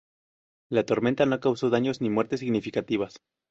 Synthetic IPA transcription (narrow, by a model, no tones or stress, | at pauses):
lat̪o̞ɾme̞nt̪ano̞kawso̞ðaɲo̞znimwe̞ɾt̪e̞s̬iɣnifikat̪iβas